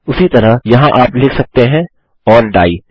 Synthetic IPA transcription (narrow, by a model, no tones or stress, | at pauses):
ʊsit̪ɐɾajɐɦãʔaːplɪːkʰsɐk̚t̪eɦɛ̃ | ɔːnɖaːiː